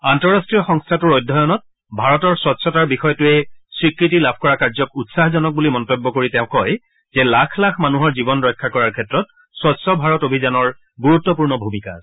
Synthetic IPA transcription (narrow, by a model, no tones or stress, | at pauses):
antɔɹastɹijɔxɔŋstʰatʊɹojdʱɔjɔnɔt̚ | bʱaɹɔtɔɹsɔtsɔtaɹbixɔjɔtʊɛsɹikɹitilabʱkɔɹakaɹzɔkutsaɦzɔnɔk̚bulimɔntɔbːɔkoɹitɛ̃ʊ̃kɔj | z̥ɛlakʰlakʰmanuɦɔɹzibɔnɹɔjkʰːakɔɹaɹkʰɛtɹɔt̚ | swɔtsɔbʱaɹɔtobʱizanɔɹ | ɡuɹutːɔpuɹnɔbʱumika̰